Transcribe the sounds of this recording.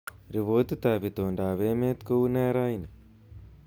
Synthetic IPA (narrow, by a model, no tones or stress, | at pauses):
ɾiʋoːt̪it̪aːʋit̪oːɳɖaːʋemeːt̪kowneːɾaːin